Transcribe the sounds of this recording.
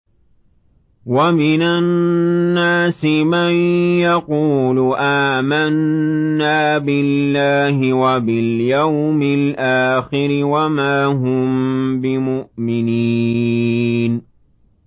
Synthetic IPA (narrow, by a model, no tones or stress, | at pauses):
wamɪnanːaːsɪmanjaquːlʊʔaːmanːaː | bɪlːaːhɪwabɪljawmɪlʔaːxɪɾɪwamaːɦʊmbɪmʊʔmɪniː | n